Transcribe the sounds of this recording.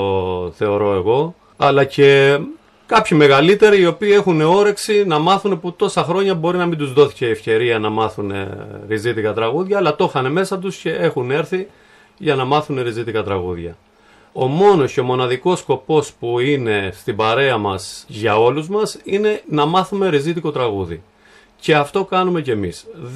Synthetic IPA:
θe̞o̞ɾo̞e̞ɣo̞ | ɐlɐce̞ | kɐpçime̞ɣɐlit̪e̞ɾiio̞piːe̞xune̞o̞ɾe̞ksinɐmɐθune̞put̪o̞sɐxɾo̞ɲɐbo̞ɾinɐmind̪uzðo̞θi̥ce̞efce̞ɾiɐnɐmɐθunḛɾizit̪ikɐt̪ɾɐɣuðʝɐːlɐt̪o̞xɐne̞me̞sɐt̪̬usce̞ʔe̞xune̞ɾθi | ʝɐnɐmɐθune̞ɾizit̪ikɐt̪ɾɐɣuðʝɐ̰ | o̞mo̞no̞sceo̞mo̞nɐðiko̞sko̞po̞spuine̞st̪ibɐɾe̞ɐmɐsʝɐo̞luzmɐsine̞nɐmɐθume̞ɾizit̪iko̞t̪ɾɐɣuðḭ | ce̞ɐft̪o̞kɐnume̞ce̞mis

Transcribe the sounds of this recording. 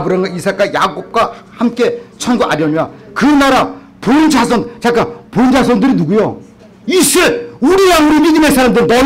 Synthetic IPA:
bɯɾaŋɡaisʰak͈ajaɡop̚k͈wahamk͈e̞t͡ɕʰʌnɡoʔaɾjʌɲiakɯnaɾa | pond͡ʑas̬ʰʌndt͡ɕak͈apond͡ʑasʰʌndɯɾinuɡujo | isʰɯuɾiɾaŋuɾimidɯmesʰaɾamndɯɾinʌ

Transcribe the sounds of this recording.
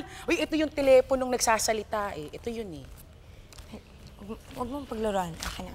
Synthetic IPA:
ʔojʔɛt̪ojʊŋt̪ɛlɛːpono̞ŋnɐɡsaːsɐlɪt̪aːʔɛʔɛt̪ojʊnɛ | ɐj | wɐɡ̚wɐɡ̚moŋpɐɡlʊɾoʔansɐkɐɲɐ

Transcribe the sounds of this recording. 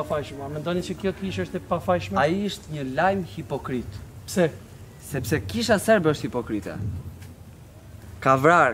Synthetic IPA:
afajʃmamɛnd̪ɔnit͡ʃəkjɔkiʃəʃt̪ɛpafajʃmaiəʃt̪ɲəlajmhipɔkɾit̪psɛ | sɛpsɛkiʃasɛɾbɛɔʃt̪hipɔkɾit̪ɛ̰ | kavɾaɾ

